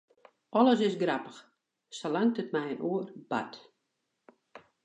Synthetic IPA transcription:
ɔləs̬ɪsɡrapə̥x | solaŋtətmɛjənʔuərba̰t

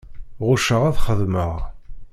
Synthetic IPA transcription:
ʁʊʃəʁæθχəðməʁ

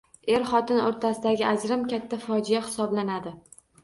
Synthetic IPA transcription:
e̞ɾχɒt̪ɪnoɾt̪ʰasɪd̪aɡʲɪʔad͡ʒɾɪmkʲʰat̪ʰːafɒd͡ʒɪjahɪ̥sɒblanad̪ɪ

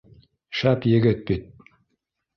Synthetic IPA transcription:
ʃæpjɘ̆ɡɘt̪̚bit̪̚

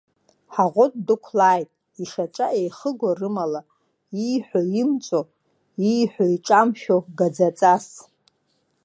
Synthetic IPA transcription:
ħaʁʷotʼdɨkʷʰlaːjtʼ | iʂaʈ͡ʂʼaʔejχəɡʷarɨmala | ijħʷᶣoimt͡sʼo | ijħʷᶣoiʈ͡ʂʼamʃᶣoɡad͡zat͡sʼas

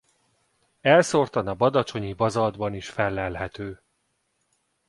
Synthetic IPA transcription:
ɛlso̞rt̪ɒnɒbɒd̪ɒt͡ʃo̞ɲibɒzɒld̪bɒniʃfɛlːɛlɦɛt̪øː

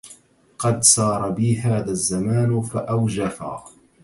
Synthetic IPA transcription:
qɑd̪sˤɑːɾˤbiːɦaːðaːzːamaːnfaʔawd͡ʒafa̰ː

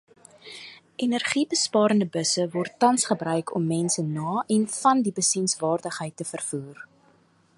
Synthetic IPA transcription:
ʔɛnərχibəspɑːɾəndəbəsəvɔrtːɐnsχəbrœɥkʰɔ̰mːɛnsənɑːʔɛnfɐndibəsinsvɑːrdəχɦəjtːəfərfuːr

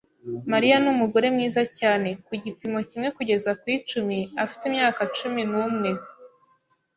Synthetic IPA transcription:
maɾijanumuɡo̞ɾe̞mŋiːzacaːne̞kuɟipimo̞cimŋe̞kuɟe̞zakwit͡ʃumiafi̥timɲaːkat͡ʃuminuːmŋe̞

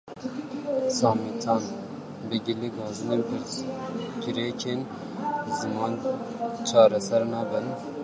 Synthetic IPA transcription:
sɑːmit̪ʰɑːn | bɨɡileɡɑːzɨneːnpʰɨɾ | ɡiɾekʰeːn | zɨmɑːnt͡ʃʰɑːɾɛsɛɾnɑːbɨn

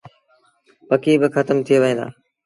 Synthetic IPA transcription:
pəkiːbɪxət̪əmt̪ʰɪjeːʋəẽːd̪a̰ː

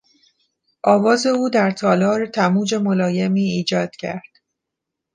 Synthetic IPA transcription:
ʔɒːvɒːze̞uːd̪æɾt̪ʰɒːlɒːɾet̪ʰæmuːd͡ʒe̞molɒːjemiːiːd͡ʒɒːd̪̥cʰæ̰ɾd̪̥

